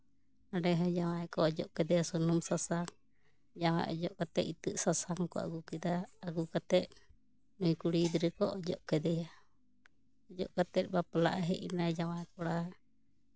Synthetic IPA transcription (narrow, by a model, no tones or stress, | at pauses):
aɖɛɦɔd͡ʒawajkɔɔd͡ʒɔ̰ʔkɛd̪ɛjasɔnɔmsasaŋ | d͡ʒawa̰jɔ̰d͡ʒɔʔkat̪ɛʔ̪it̪ɨʔsasaŋkɔ̰a̰ɡukɛd̪aːɡukat̪ɛt̪̚ | nujkuɽid̪ɾɛkɔʔɔd͡ʒɔ̰ʔkɛd̪ɛja | ɔd͡ʒɔ̰ʔkat̪ɛt̪̚ˀbapala̰ʔaɦɛʔḭnad͡ʒawajkɔɽa